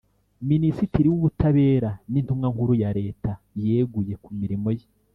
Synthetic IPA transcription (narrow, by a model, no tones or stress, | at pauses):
minisitiɾiwuβutʰaβe̞ːɾanintumŋaŋhuɾujaɾe̞ːta | je̞ːɡuje̞kumiɾimo̞je